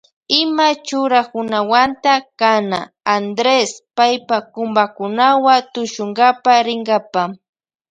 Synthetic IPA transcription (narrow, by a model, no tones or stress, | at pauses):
ɪmat͡ʃʊɾakʊnawant̪akana̰ː | nd̪ɾespajpakʊmbakʊnawat̪ʊʃʊŋɡapaɾɪŋɡapa